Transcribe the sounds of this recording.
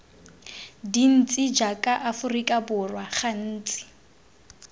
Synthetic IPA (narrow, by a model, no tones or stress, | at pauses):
din̩t͡sʼɪd͡ʒakʼaʔafʊrikʼabʊrwaχan̩ːt͡sʼɪ̥